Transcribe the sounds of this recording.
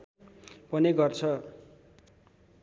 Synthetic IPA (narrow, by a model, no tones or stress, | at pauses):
pʌniɡʌrt͡sʰʌ